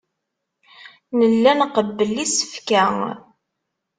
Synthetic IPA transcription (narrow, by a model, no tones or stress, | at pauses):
nəlːænqəbːəlːisə̥fkæŋ